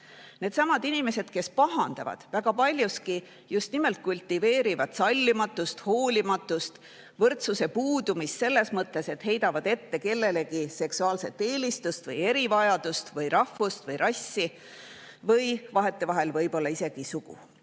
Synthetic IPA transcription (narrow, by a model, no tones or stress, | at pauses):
ne̞ːd̪sɑmɑd̪̥inime̞se̞d̪̥ke̞spɑɦɑnd̪̥ɑ̰vɑ̰d̪̥væɡ̥ɑpɑlʲjuski | just̪nime̞lt̪̚kulʲt̪ːive̞ːɾivɑd̪̥sɑlʲːimɑt̪ːˑust̪ho̞ːlʲimɑt̪ːˑust̪ | vɤrt̪suse̞puːd̪umist̪se̞lːe̞smɤt̪ˑːe̞se̞t̪he̞jd̪̥ɑvɑd̪̥e̞t̪ːe̞ke̞lːe̞le̞ɡise̞ksuɑːlse̞t̪ːe̞ːlist̪ust̪vɤje̞ɾivɑjɑd̪ust̪vɤjrʔɑhːust̪vɤjɾʔɑsʲːi | vɤjvɑɦe̞t̪ˑːe̞vɑɦe̞lvɤjb̥o̞lːɑise̞ɡ̥isuɡ̥ṵ